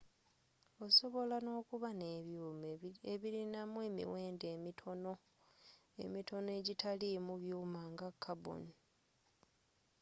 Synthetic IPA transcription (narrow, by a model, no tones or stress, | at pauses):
o̞so̞βo̞lano̞ːkuβaneuːeβiɾinamwe̞ːmḭwe̞ːnde̞ːmitʰono | e̞̰mito̞noe̞ɟitʰalimuβjuːmaŋɡakʰːabṵni